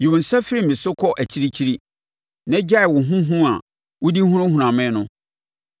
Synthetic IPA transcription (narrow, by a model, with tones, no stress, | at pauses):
ji˨wo˨n̩˨sa˦fi˦ɾi˦mɪ̃˨sʊ˦kʰɔ˦ʔæ˨t͡ɕʰi˦ɾi˦t͡ɕʰi˦ɾi˦ | nã˦d͡ʑa˦˨wʊ˨ɦũ˦ɦũ˦a˨ | wʊ˦di˦hũ˦ɾʊ̃˦hũ˨ã˨mɪ̃˦nʊ̃˦